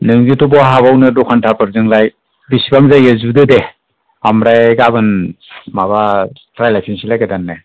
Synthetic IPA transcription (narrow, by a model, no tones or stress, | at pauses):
nɯŋzitubɔɦaβawnɯdukʰantʰapɯɾzɯŋlaj | bisibaŋzajezudɯde | amɾajɡabɯnmaβatɾajlajpʰinsilajɡadanːɯ